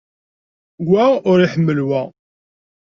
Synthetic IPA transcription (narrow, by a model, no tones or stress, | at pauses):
ɡʷæʊɾiħəmːəlwæ